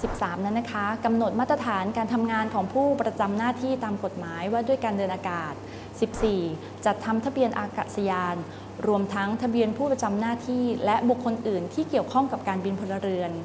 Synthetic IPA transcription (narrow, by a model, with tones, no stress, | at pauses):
si˨˩p̚saː˩˦mna˦˥nːa˦˥kʰa˦˥ka˧mno˨˩t̪̚maː˥˩t̪ɾa˧t̪ʰaː˩˦nkaː˧nt̪ʰa˧mŋaː˧nkʰɔː˩˦ŋpʰuː˥˩pɾa˧t͡ɕa˧mnaː˥˩t̪ʰiː˥˩t̪aː˧mko˨˩t̪̚maː˩˦jwaː˥˩du˥˩əjkaː˧ndɤː˧nʔaː˧kaː˨˩t̪̚ | si˨˩p̚siː˨˩ | t͡ɕa˨˩t̪ʰːa˧mt̪ʰa˧bi˧ənʔaː˧kaː˨˩t̪̚sa˧jaː˧n | ɾu˧əmt̪ʰa˦˥ŋt̪ʰa˧bi˧ənpʰuː˥˩pɾa˧t͡ɕa˧mnaː˥˩t̪ʰiː˥˩lɛ˦˥ʔbu˨˩kʰːo˧nʔɯː˨˩nt̪ʰiː˥˩ki˨˩əwkʰɔ˥˩ŋka˨˩p̚kaː˧nbi˧npʰo˧la˧ɾɯ˧ən